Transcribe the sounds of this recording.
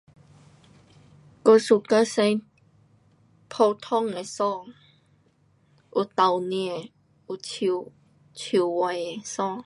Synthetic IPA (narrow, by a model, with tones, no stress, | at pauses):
ko˧su˧˨ka˧˦sẽ˧ | pʰo˧t̪ʰɔ˥˨ŋe˨sɔ˥˨ŋ | ʔu˧t̪a˨wnji˧˨ | u˨˧t͡ɕʰi˨ | t͡ɕʰi˨wa˨˩je˨sɔ˥˨ŋ